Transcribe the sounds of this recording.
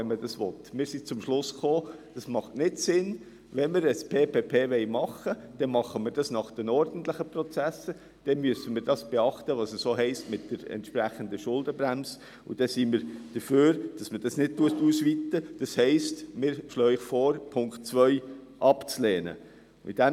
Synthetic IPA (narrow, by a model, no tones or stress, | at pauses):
ɛnməd̥ɑsʋɔt̪mɪːɾsit͡sʊmʃlʊsχoːd̥ɑsmɑχtnɪdsɪn | ʋɛnmɪɾəspʰeːpʰeːpʰeːʋɛɪmɑχːəd̥ɛmɑχːəmɪːɾd̥ɑsnɑχd̥ɛnɔɾd̥ən̩t̪lɪχəprɔt͡sæsə | d̥ɛnmyəsəmɪːɾdɑsb̥ɛɑχtəʋɑːsəssoːɦɛɪstmɪt̚d̥əɾɛ̰ntʃpræχənd̪əʃʊldəbɾæms | ṵd̥ɛsiːmɪːɾd̥əføːɾd̥ɑsməd̥ɑsnɪt̚tuətusʋit̪ːəd̥ɑshɛɪstmɪːɾʃlœːɪχfɔːɾpʰʊŋkt̚t͡sʋœʏ | ʔɑpt͡sleːnə̰ | mɪ̰tdæm